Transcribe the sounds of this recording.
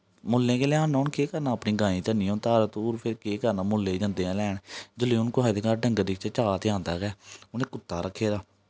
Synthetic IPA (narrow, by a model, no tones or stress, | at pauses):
mʊlːẽːkeːlɛãːnːaːnkeːkəɾnãːəpniːɡãːĩːt̪ənĩjõːt̪aːɾət̪oːɾpʰɪɾkeːkəɾnaːmʊlːẽːd͡ʒãːnd̪eːãːlɛːɳd͡ʒəleːʊnkoaːid̪eːkaːɾɖə̃ŋɡədɪkʰt͡ʃet͡ʃaːt̪eãːnd̪aːkɛːʊnẽːkʊt̪ːaːɾəkʰːeːɾaː